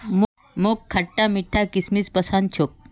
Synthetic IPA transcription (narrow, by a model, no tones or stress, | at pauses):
m | mokʰːaʈːamiʈʰːakismispəsant͡ʃʰok̚